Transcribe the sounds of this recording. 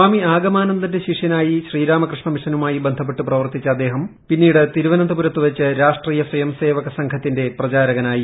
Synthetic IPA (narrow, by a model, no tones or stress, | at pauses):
aːmiaːɡɐmaːnɐnd̪ɐndeɕiʂjɐnaːjiɕriːɾaːmɐkrɨʂɳɐmiʂɐnumaːjibend̪ʱɐp̬ːe̞ʈːuprɐʋɐrt̪it͡ɕːɐd̪ːe̞ːɦɐmpinːiːɽɨt̪iɾuʋɐnɐnd̪ɐpuɾɐt̪ːuʋɐt͡ɕːɨɾaːʂʈriːjɐswɐjɐmse̞ːʋɐɣɐsɐŋkʰɐt̪ːinde̞prɐt͡ɕaːɾɐɣɐnaːji